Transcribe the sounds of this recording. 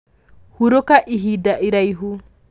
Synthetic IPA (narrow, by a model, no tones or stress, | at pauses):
huɾokaʔiɦidaʔiɾajɦu